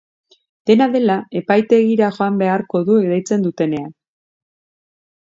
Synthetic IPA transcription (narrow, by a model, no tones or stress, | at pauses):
d̪̥e̞naðe̞lae̞pajt̪e̞ɣiɾaʝo̞ambe̞aɾko̞ðuekd̪ajt͡se̞nd̪ut̪e̞ne̞an